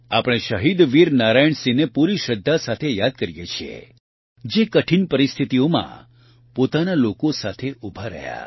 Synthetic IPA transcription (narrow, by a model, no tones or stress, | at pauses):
apəɽ̃eʃəɦid̪ʋiɾnaɾajəɳsinepuɾiʃəd̪ʱːasat̪ʰejad̪̚kəɾjḛt͡ʃʰiḛ | d͡ʒekəʈʰinpəɾist̪ʰit̪iomã̰ | pot̪analokosat̪ʰeʔubʱaɾə̰ɦja̰